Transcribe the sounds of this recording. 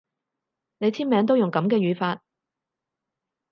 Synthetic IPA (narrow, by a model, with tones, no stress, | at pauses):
ne˨˧jt͡s̪ʰiː˥nmɛː˨˧ŋt̪o˥wjʊ˨˩ŋkɐ˨˧˥mkɛː˧jyː˨˧faː˧t̚